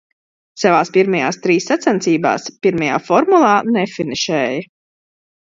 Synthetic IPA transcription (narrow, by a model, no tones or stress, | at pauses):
savaːspiɾmajaːst̪ɾiːsːat̪sɛnt̪siːba̰ːspiɾmaja̰ːfɔɾmulˠaːnɛfiniʃɛːjɐ